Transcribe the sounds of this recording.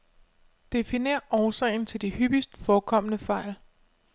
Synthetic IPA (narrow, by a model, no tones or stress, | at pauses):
d̥e̝fine̝̰ːɐʔɒːsɛ̰ɪn̩t͡sʰe̝ld̥ihyb̥isd̥fɒːkʰɒ̽m̰nəfɑ̈ɪ̰l